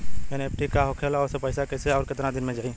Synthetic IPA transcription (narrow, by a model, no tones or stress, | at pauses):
enep̚ʈikaɦokʰeːlɔːsepɐɪsakeseɔːɾkɪt̪ɾãd̪ɪnmẽd͡ʒaːĩ